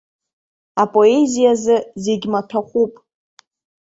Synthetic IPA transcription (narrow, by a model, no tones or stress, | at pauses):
apʼo̞e̞zijazɨze̞ɡʲmatʰaχʷupʼ